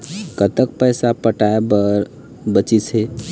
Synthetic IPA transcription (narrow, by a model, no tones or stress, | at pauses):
kət̪ək̚pəjsapəʈaebəɾ | bət͡ʃise